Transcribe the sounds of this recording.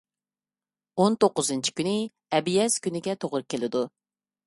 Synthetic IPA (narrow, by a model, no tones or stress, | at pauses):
ont̪oqːʊzɨnt͡ʃʰi̥kʲynɪ | ɛbjɛz̥kʲʰynɪɡʲɛt̪ʰoʁɾɨp̚kʲʰːelɪd̪u